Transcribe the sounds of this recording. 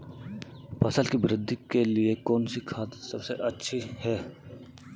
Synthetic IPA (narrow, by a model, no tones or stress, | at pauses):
pʰɐsəlkibɪɾɪd̪ʱikeliekɔːnsikʰaːt̪sɐbseʔɐtːʃʰihɛː